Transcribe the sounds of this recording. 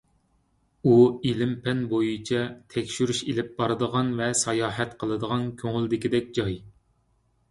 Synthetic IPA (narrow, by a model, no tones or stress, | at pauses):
uilɪmpʰɛnbojit͡ʃʰɛt̪ʰɛkʲʃyɾyʃelɪp̚bɑɾɨd̪əʁɑnvɛsɑjɑːɦɛt̪qʰəlˠɨd̪əʁɑnkʲʰøŋɪld̪ɪkʲid̪ɛk̚ʲd͡ʒɑj